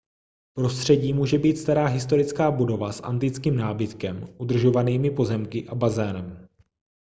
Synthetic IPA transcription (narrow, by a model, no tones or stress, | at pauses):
pɾo̞st̪r̥ɛɟiːmuːʒɛbiːt̪st̪aɾaːɦɪst̪o̞ɾɪt͡skaːbudo̞vasʔa̰nt̪ɪt͡skiːmnaːbɪt̪kɛmʔud̪r̩ʒo̞vaniːmɪpo̞zɛmkɪʔabazɛːnɛm